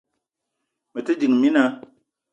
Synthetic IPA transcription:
mə˨tɨ˦di˨ŋ˨mi˦na˨˦

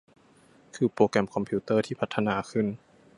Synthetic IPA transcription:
kʰɯː˧˦poː˧kɛ˧˩mkʰɔ˧mpʰi˧˦t̪ɤː˥˩t̪ʰiː˥˩pʰa˧˥t̪ʰːa˧naː˧˦kʰɯ˥˩n

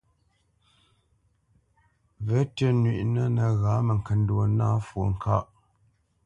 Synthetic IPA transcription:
və˨˦tə˦nɥḭ˨ʔnə˦nə˨ɣa˨˦mə˨ŋ˨kə˨n˦dwo˨na˦fwo˨ŋ̩˨ka˦ʔ

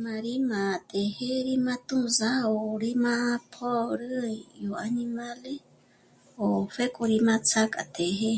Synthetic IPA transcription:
ma˨ɾi˦mã˨t̪e˨he˦ɾi˦mã˦t̪ũ˦za˦o˨ɾi˦mã˦pʰo˦ɾɨ˦jo˨a˧ni˧ma˦le˦ | o˨fe˦kʼu˧ɾi˧mã˧t͡sʰa˦kʼa̰˨t̪e˨ɦe˦

